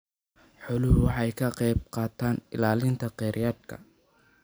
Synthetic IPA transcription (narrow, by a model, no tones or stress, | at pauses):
ħɔlʊɦʊwħɑjkʰɐqɛjb̚qɑːt̪ʰaːnɪ̰laːlɪnt̪ʰɐqɛɾjaːd̪kʰɐ̰